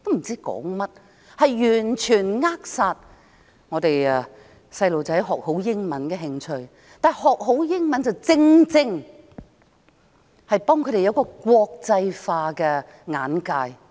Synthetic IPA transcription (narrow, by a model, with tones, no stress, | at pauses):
t̪o˥m̩˨˩t͡siː˥kɔ̰ː˨˥ŋmɐ˥t̚ | hɐ˨jjyː˨˩nt͡ʃʰyː˨˩nŋaː˥k̚saː˨˧t̚ | ŋɔː˨˧t̪e˨j | sɐ˧jlo˨wt͡sɐ˨˥jɦɔː˨k̚ho˨˥wjɪ˥ŋmɐ˨˥nkɛː˧ɦɪ˧ŋt͡ʃʰɵ˧ɥ | t̪aː˨hɔː˨k̚ɦo˨˥wjɪ˥ŋmɐ˨˥nt͡sɐ˨˩wt͡sɪ˧ŋt͡sɪ˧ŋ | hɐ˨jpɔː˥ŋkʰɵ˨˧tɾe˨jɐ˨˧wkɔː˧kʷwɔː˧k̚t͡sɐ˧jfaː˧kɛː˧ | ŋa̰ː˨˥nkaː˧j